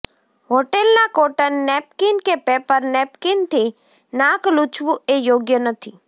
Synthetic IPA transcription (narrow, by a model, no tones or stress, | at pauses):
ɦoːʈelnakoːʈənːɛpkɪnkepeːpəɾnɛːpkɪnt̪ʰi | nãːklut͡ʃʋuejoːɡjənət̪ʰi